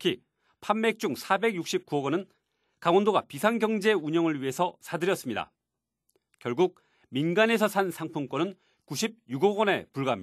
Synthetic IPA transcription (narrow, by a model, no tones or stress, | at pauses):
tʰkʰi | pʰanmek̚t͡ɕ͈uŋsʰabe̞ɡjuk̚ɕ͈ip̚kuʌɡʌnɯn | kaŋwʌndoɡa̰pisʰaŋɡjʌŋd͡ʑe̞uɲʌŋɯɭɥiɦe̞sʰʌsʰadɯɾjʌs͈ɯmɲida̰ | kjʌɭɡuk̚ | minɡane̞sʰʌsʰansʰaŋpʰunk͈wʌnɯn | kuɕʰib̚juɡoɡʌne̞puɭɡam